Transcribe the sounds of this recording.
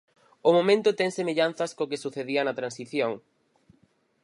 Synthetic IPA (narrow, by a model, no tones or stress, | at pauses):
ʊmomẽnt̪ʊt̪ɛŋsemeʎan̟θɐskokesuθeðiɐnɐt̪ɾansiθjoŋ